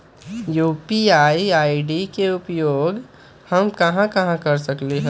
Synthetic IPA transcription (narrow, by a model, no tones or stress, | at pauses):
juːpiaːiaːiɖikeʊpjoːɡ | hɐmkɐɦãkɐɦãkɐɾsɐkleɦɛ̃